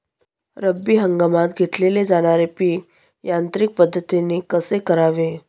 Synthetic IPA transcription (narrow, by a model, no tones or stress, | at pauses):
ɾəbːiːɦəŋɡamat̪̚ɡʱet̪leled͡zaɽ̃aɾepiː | jant̪ɾik̚pəd̪ʱːət̪inekəsekəɾaʋe